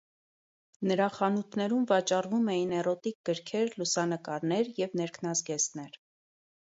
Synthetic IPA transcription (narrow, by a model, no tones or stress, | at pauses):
nəɾɑχɑnut̪ʰnɛɾumvɑt͡ʃɑrvumɛjinɛɾɔt̪ik̚ɡəɾkʰɛɾlusɑnəkɑɾnɛɾjɛvnɛɾkʰnɑzɡɛsnɛɾ